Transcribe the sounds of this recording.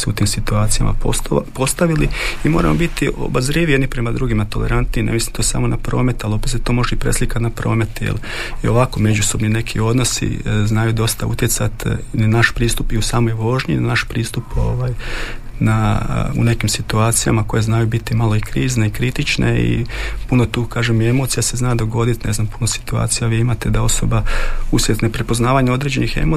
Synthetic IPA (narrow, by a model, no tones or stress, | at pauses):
seut̪iːmsit̪uaːt̪sija̰ma̰popo̞st̪aʋiliimo̞ːɾa̰mobit̪io̞̰bazɾiːʋijed̪nipɾe̞mad̪ɾuɡimat̪o̞lḛɾant̪ninḛmislimt̪osa̰mo̞napɾo̞ːme̞t̪alopset̪oːmo̞ʒɛipɾḛslikat̪napɾo̞ːme̞t̪jḛl | io̞ʋakome̞d͡ʑuso̞bnine̞kʰio̞d̪no̞sḭznajud̪o̞st̪aṵt̪jet̪sat̪nanaʃpɾiːst̪upiusaːmo̞jʋo̞ʒɲinanaʃpɾiːst̪upo̞ʋaːj | naṵne̞kimsit̪uaːt̪sija̰makojeznaːjubit̪imalo̞ikɾiːzneikɾit̪it͡ʃnḛḭpuno̞t̪uːkaːʒemie̞mo̞t̪sijase̞znaːd̪o̞ɡo̞d̪it̪ne̞znampunosi̥t̪ua̰ːt̪sijaʋiːimat̪e̞d̪ao̞so̞bausjʲet̪nepɾepoznaːʋaɲao̞d̪ɾeːd͡ʑe̞nixe̞̰mo